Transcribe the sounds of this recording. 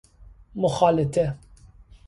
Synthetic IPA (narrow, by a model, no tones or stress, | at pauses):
mʊxɑːlɪt̪ʰɛ